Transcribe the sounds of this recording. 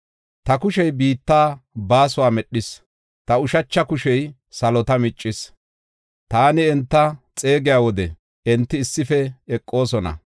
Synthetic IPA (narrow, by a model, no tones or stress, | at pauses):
t̪ɐkʊʃɛjbiːt̪ːaːbaːsʊwaːmɛɗːɪs | t̪ɐʊʃɐt͡ʃːɐkʊʃɛj | sɐlɔt̪ɐmɪt͡ʃʼːɪs | t̪aːnɪɛnt̪ːɐt͡sʼe̞ːɡɪjaːwɔd̪ɛ | ʔɛnt̪ːɪːsːɪfɛɛkʼːo̞ːsɔnɐ̰